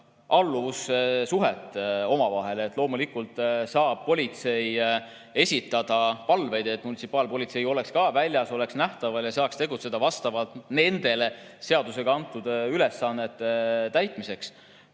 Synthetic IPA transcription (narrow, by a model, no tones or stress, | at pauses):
ʔɑlːuvusesuɦet̪ːˑo̞mɑvɑɦe̞let̪ːˑlo̞ːmulikult̪ˑsɑːb̥̚po̞lʲit̪se̞j | e̞sʲit̪ːˑɑd̪̥ɑpɑlve̞jd̪̥e̞t̪ːˑmunit̪sipːˑɑːlpo̞lʲit̪se̞jo̞le̞kskɑːvælʲjɑso̞le̞ksnæht̪ɑvɑljɑsɑːkst̪e̞ɡut̪se̞d̪̥ɑvɑst̪ɑvɑlt̪ne̞nd̪̥e̞lese̞ɑd̪̥use̞ɡɑɑnt̪ːˑud̪yle̞sːɑnːe̞t̪ːˑet̪æjt̪ˑmise̞ks